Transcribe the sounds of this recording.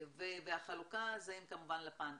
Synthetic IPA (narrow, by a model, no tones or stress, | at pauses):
vevehaχalukazaimkamuvanlapaːn